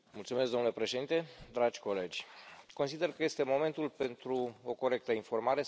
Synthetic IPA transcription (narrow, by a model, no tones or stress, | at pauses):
mult̪sumeskɡd̪omnule̞pɾe̞ʃe̞d̪int̪e̞d̪ɾad͡ʒʲko̞le̞d͡ʒʲko̞nsid̪e̞rkəje̞st̪e̞mo̞me̞nt̪ulpe̞nt̪ɾuoko̞ɾe̞k̚t̪əinfo̞rmaɾe̞